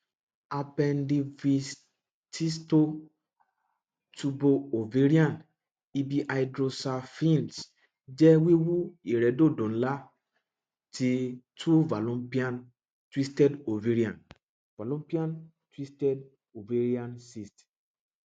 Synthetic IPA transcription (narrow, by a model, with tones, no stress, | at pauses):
a˧pɛ˧ndi˧vi˧s | ti˦sto˦ | tu˧bo˧o˨ve˨˦ɾi˦ã˦˨n | i˧bi˧ʔa˨idɾo˧sa˧fĩ˦˨nt | d͡ʒɛ˦wi˦wu˦i˨ɾɛ˨˦do˦˨dõ˨n̩˦la˦ | ti˧tʰu˦va˨lɔ̃˦pi˦ã˦n | twi˦stɛ˦do˨ve˨˦ɾi˦ã˨n | va˨lɔ̃˦pi˦ã˦n | twi˦stɛ˦d̚ | o˨ve˦ɾi˦ã˨nsi˦st